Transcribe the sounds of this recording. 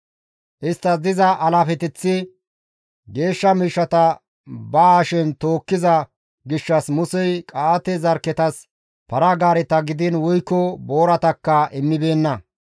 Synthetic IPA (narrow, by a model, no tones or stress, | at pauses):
ʔɪst̪ːɐd̪ɪzɐʔɐlaːfɛt̪ɛt͡sːɪ | ɡe̞ːʃːɐmiːʃːɐt̪ɐ | baːʃɪnt̪oːkːɪzɐ | ɡɪʃːɐsmʊsɛjkʼaːt̪ɛzɐɾkːɛt̪ɐs | pɐɾɐɡaːɾɛt̪ɐɡɪd̪ɪnwʊjkːɔbo̞ːɾɐt̪ɐkːɐʔɪnːɪbe̞ːnːɐ